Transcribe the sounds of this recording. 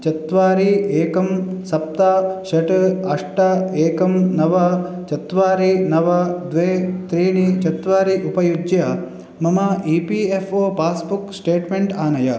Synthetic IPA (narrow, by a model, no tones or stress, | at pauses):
t͡ʃɐt̪ʋaːɾieːkɐmsɐp̚t̪aʃɐʈɐʂʈɐeːkɐmnɐʋɐ | t͡ʃɐt̪ʋaːɾinɐʋɐd̪ʋeːt̪ɾiːɳit͡ʃɐt̪ʋaːɾiʔupɐjud͡ʒjɐ | mɐmɐipiefoːpaːsbuksʈeːʈmeɳʈaːnɐjɐ